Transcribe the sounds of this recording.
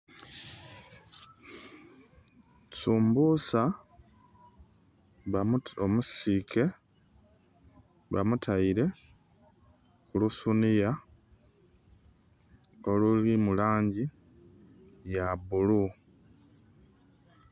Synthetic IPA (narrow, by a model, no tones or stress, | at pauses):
suːmbuːsa | βaomusikʰe̞ | βa̰mutʰaiɾe̞ | xulusunija | o̞lulimulaːɲɟi | jabulu